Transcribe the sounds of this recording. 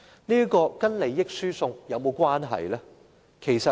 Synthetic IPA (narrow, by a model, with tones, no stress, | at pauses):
niː˥kɔː˧kɐ˥nle˨˧jːɪ˥k̚syː˥sʊ˧ŋjɐ˨˧wmo˨˧wkʷaː˥nɦɐ̰˨jlɛː˥ | kʰe˨˩jsɐ˨